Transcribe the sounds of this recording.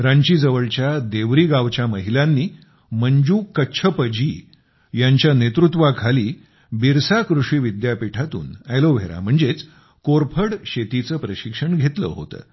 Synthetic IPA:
ɾaɲt͡ɕiːd͡zəʋəɭt͡ɕjad̪eʋɾiːɡaʋt͡ɕjaməɦilanːiː | məɲd͡ʑuːkəɕʰəpəd͡ʑi | jaɲt͡ɕjanet̪ɾut̪ʋakʰaliː | biɾsakɾuʂiːʋid̪japiʈʰat̪ṵːnajloʋ̤ʱeɾa̰m̤əɳd͡zet͡s | koɾpʰəɽɕet̪it͡səːpɾəɕikʂəɳɡʱet̪lə̰ːɦo̰t̪ə̰ː

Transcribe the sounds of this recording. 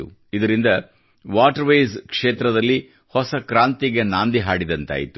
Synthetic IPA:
u | id̪ɐɾind̪ɐ | ʋaːʈɐɾʋɐjzkʂeːt̪ɾɐd̪ɐlːi | hɔsɐkɾaːnt̪iɡe̞naːnd̪iɦaːɽid̪ɐnt̪a̰ːjit̪u

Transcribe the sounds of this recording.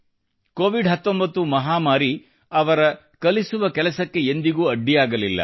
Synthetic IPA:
koːʋiɖɦɐt̪ːombɐt̪ːumɐɦaːmaːɾi | ɐʋɐɾɐ | kɐlisuʋɐkɛlɐsɐkːe̞end̪iɡuːɐɖːijaːɡɐlilːɐ̰

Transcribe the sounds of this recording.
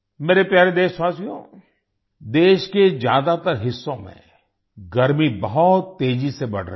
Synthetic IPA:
meːɾepjaːɾed̪eːʃswaːsjõ̰ː | d̪eːʃked͡ʒja̰ːd̪at̪əɾɦɪsːõmḛ̃ | ɡɐɾmibɐɦʊt̪ːeːd͡ʒisebɐɽ̤ɾə

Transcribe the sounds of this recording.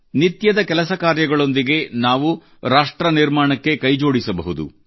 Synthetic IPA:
nit̪jɐd̪ɐkɛlɐsɐkaːɾjɐɡɐɭo̞nd̪iɡe̞naːʋu | ɾaːʂʈɾɐniɾmaːɳɐkːe̞kɐjd͡ʒo̞ːɽisɐbɐɦud̪ṵ

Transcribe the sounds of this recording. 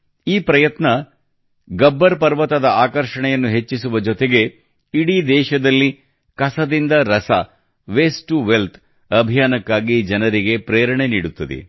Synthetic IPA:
iːpɾɐjɐt̪nɐ | ɡɐbːɐɾpɐɾʋɐt̪ɐd̪ɐaːkɐɾʂɐɳɛjɐnːuɦe̞t͡ʃːisuʋɐd͡ʒɔt̪eɡe̞ | iɽid̪ɛːʃɐd̪ɐlːi | kɐsɐd̪ind̪ɐɾɐsɐ | ʋesʈuʋelt̪ʰ | ɐbʱijaːnɐkːaːɡid͡ʒɐnɐɾiɡe̞pɾeːɾɐɳe̞niːɽut̪ːɐd̪ḛ

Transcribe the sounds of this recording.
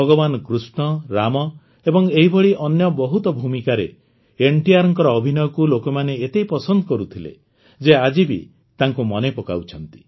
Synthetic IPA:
ɔɡɔbanɔkɾusɳɔɾamɔ | ebɔŋeɦibʱɔɽiʔɔnjɔbɔɦut̪ɔbʱumikaɾe | eɳʈiaɾɔŋkɔɾɔːbʱinɔkulokɔmaneet̪ejpɔsɔnd̪ɔkɔɾut̪ʰilḛ | d͡ʒead͡ʒibḭ | t̪aŋkumɔnepɔka̰wt͡ʃʰɔnt̪i̥

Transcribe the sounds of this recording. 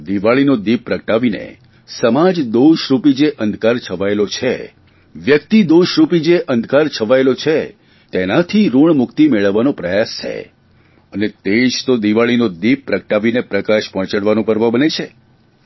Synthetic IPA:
d̪iʋaɭinod̪ip̚pːɾəkəʈaʋinḛ | səmad͡ʒd̪oʃɾupid͡ʒeʔənd̪ʱkaɾt͡ʃʰəʋaelot͡ʃʰe | ʋjək̚t̪id̪oʃɾupid͡ʒeʔənd̪ʱkaɾt͡ʃʰəʋaelot͡ʃʰe | t̪enat̪ʰiɾuɳmʊkt̪imeɭəʋːanõpɾəjast͡ʃʰḛ | ənet̪eʃt̪od̪iʋaɭinod̪ip̚ːɾəkəʈaʋinepɾəkaʃpə̃ɳt͡ʃəɽʋanõpəɾʋəbənet͡ʃʰe

